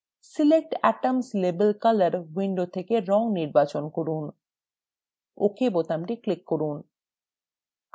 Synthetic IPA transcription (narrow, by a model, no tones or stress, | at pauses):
silek̚ʈɛ̰ʈamslebelkalaɾwiɳɖot̪ʰekeɾɔŋniɾbat͡ɕonkoɾun | o̰kʰebot̪amʈiklikːoɾun